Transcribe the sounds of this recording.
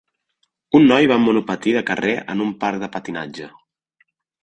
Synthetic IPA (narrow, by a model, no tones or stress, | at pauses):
unːɔjβamunupət̪iðəkəreʔə̰numpaɾk̚ðəpət̪ina̰d͡ʒə